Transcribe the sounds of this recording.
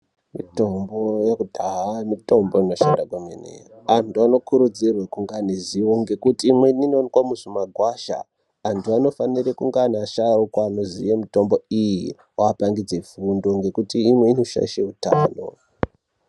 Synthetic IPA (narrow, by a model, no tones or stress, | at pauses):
mito̞mbo̞jekudʱaɦamito̞mbo̞ino̞ʃandakwemḛnḛoantuano̞kuɾud͡zirwekuŋɡaniziwo̞ŋɡe̞kutiːmweninonkwamuʐimaɡʱwaʃa̰ | antuano̞fanirekuŋɡanaʃarokwaːnozḭjemito̞mbo̞iji | waːpaŋɡid͡zeifundoŋɡe̞kutiːmwe̞ino̞ʃa̰ʃeutaːno̞